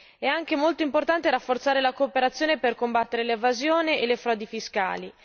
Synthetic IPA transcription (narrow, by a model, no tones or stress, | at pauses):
ɛaŋk̟emolt̪oimport̪ant̪eɾafːort̪saːɾelakoːpeɾat̪sːjoːneperkombat̪ːeɾelevazjoːneʔelefɾɔːd̪ifiska̰ːli